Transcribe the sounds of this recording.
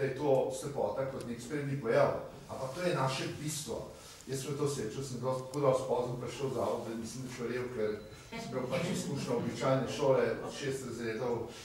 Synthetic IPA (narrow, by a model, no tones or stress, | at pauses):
ɐjɛt̪oːslɛpɔ̰ːt̪akot̪nekspeɾnipɔjaw | a̰mpɐk̚t̪oːjɛnaːʃɛbist̪ʋo̰ | jəsmət̪oset͡ʃɐwsə̃nd̪ɔt̪kod̪ɔlst̪̚pɔzəmpɾɛʃləwza̰ːʋod̪inmisləmd̪ɐʃɐɾewkɛɾ | sɛ̥pɾawpat͡ʃiskuːʃnɔobit͡ʃajnɛʃoːlɛpɐʃest̪ɾɐzɾeːd̪ɐw